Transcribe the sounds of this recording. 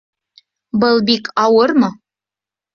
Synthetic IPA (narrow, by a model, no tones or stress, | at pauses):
bɤlˠbikʰɑwɤ̆rmɤ̆